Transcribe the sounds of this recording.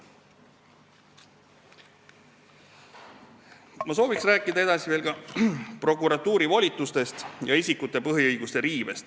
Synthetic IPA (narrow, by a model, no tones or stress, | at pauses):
mɑso̞ːviksræːkːˑid̪ɑe̞d̪̥ɑsive̞ːlɡɑpro̞kˑuɾɑt̪ːˑuːɾivɑlʲit̪ːˑust̪e̞st̪jɑisʲikːut̪ˑːe̞pɤɦjiɤjɡ̥ust̪eɾiːvest̪